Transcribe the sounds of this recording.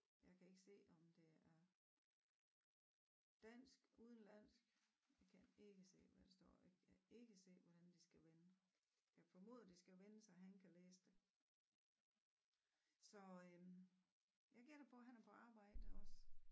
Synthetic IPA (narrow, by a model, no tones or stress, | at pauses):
jɑ̈ɪkʰæe̝ɡ̥əse̝̰ːɒ̽md̥e̝æɐ | d̥æn̰sɡ̥uːð̞ˠn̩læn̰sɡ̥jɑkʰæne̝ɡ̥əse̝̰ːʋæd̥esd̥ɒ̰ːjɑkʰæe̝ɡ̥əse̝̰ːʋɒd̥ænd̥isɡ̥æʋenəjɑɪfɒ̽mo̝̰ːðˠɐd̥isɡ̥æʋenəsɑɦænkʰæleːsə̥d̥e̝ | sɒ̽ø | jɑɪɡ̥iɐ̰̥epʰɒ̽ɦænæɐpʰɒ̽ɑ̈ːb̥ɑ̈ɪ̰d̥əɒ̽s